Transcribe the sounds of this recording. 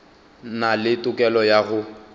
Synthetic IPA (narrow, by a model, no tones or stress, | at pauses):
nalɪtʼʊkʼɛlɔjaɣʊ